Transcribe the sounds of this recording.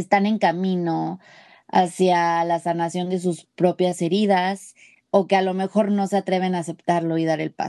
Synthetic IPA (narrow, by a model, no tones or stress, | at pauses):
st̪ane̞ŋkamĩno̞ | a̰sjalasanasjo̞nd̪e̞s̬uspɾo̞pjase̞ɾið̞as | o̞ke̞alo̞me̞xo̞ɾno̞se̞at̪ɾe̞β̞e̞naːse̞pt̪aɾlo̞iðaɾe̞̰lpa̰